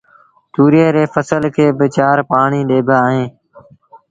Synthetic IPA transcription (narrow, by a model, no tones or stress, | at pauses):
t̪uːɾeːɾeːfəsəlkʰeːbɪt͡ʃaːɾpaːɳiːɗeːbaːɦẽː